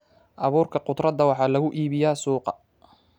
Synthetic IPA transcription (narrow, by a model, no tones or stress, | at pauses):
ʔɑβuːrkʰɐqʊd̪rɐd̪ɐwɑħɑːlɐɣʊʔiːβɪjaːsuːqɑ